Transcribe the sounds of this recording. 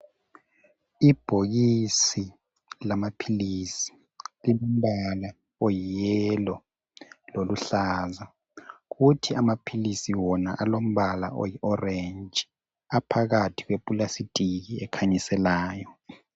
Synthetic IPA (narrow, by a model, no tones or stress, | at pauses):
ib̥ʱoɣisi | lamapʰilisi̥ | lilom̩βala | ojijɛlɔ | loluɬaːza | ɣutʰiamapʰilisiwɔnaʔalom̩βala̰o̰jiʔɔrend͡ʒʱʼi | apʰaɣatʰi̥ɣwepʼulasitʼiɣiɛkʰaɲisɛlaːjɔ